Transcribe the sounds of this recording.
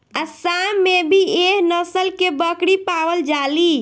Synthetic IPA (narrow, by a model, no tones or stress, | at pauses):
asamebʱieɦnəsəlkebəkɽipaʋəld͡ʒali